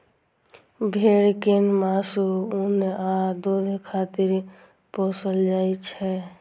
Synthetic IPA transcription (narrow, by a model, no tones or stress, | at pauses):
bʱeːɽkenmaːsuunead̪oːd̪ekʰaːt̪ɪɾ | poːsəld͡ʒaːit͡ʃʰɛ